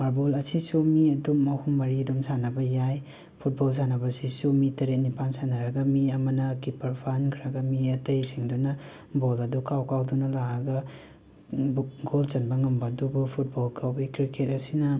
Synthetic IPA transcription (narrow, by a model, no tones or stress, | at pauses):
maɾbolɐsisumiɐdumɐhumbaɾidumsanɐbɐjaj | pʰut̚bols̬anɐbɐsisumitɐɾet̚nipansanɐɾɐɡɐmiɐmɐnɐkipɐɾpʰankʰiɾɐɡɐmiɐtɐjsiŋdunɐ | bolɐdukʰawkʰawdunɐlaɐɡɐ | bɡolt͡ʃɐnbɐŋɐmbɐdubupʰut̚bolkʰawbikɾikʰet̚ɐsinɐ